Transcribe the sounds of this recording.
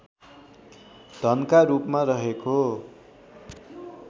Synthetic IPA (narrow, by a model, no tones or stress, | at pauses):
d̪̥ʱʌnkaɾupmaɾʌɦeko